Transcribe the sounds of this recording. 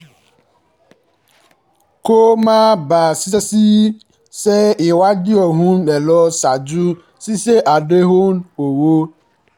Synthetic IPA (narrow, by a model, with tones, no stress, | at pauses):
ko˦mã˦ba˨si˦se˦si˦ | sɛ˦e˨wa˦di˦ɔ˨ɦũ˦nɖɛ˨lɔ˦sa˨d͡ʒu˦ | si˦se˦ʔa˨ɖe˦ɦo˦no˨wo˦